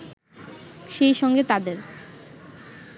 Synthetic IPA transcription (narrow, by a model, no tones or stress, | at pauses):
ʃejʃɔŋɡet̪ad̪eɾ